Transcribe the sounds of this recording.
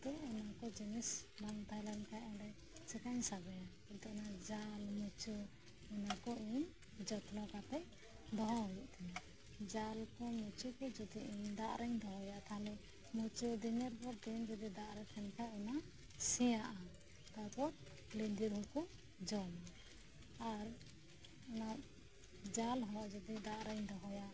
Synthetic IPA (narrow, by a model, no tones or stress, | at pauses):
t̪ɔɔnakɔd͡ʒinisbaŋt̪ajlankaʔɛɾɛ | sɛkaɲsabɔja | it̪ɔʔnad͡ʒalmut͡ʃuː | nakɔiɲ | d͡ʒɔt̪nɔkat̪ɛʔ | d̪ɔɦɔɡɛʔt̪ʰɛna | d͡ʒalkɔmut͡ʃukɛd͡ʒɔd̪iʔiɲd̪aʔɾɛɲd̪ɔɦɔjaʔt̪ʰalɛ | mut͡ʃud̪iɲɛɾbɔɾd̪ind͡ʒɔd̪id̪aʔɾɛt̪ʰɛnkʰaɛna | sijaʔa | t̪apɔɾ̚ | lind̪iɾɦuku | d͡ʒɔm | aɾ | na | d͡ʒalɦɔʔd͡ʒɔd̪id̪aʔɾɛɲd̪ɔɦɔjaʔ